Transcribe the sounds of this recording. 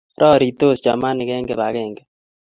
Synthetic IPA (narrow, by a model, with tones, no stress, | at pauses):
ɾʔɔ˦ɾi˨t̪o˦˨sd͡ʒa˨ma˦nɪ˨kɛ˦ŋɡɛ˨ba˨ɣɛ˦˨ŋɡɛ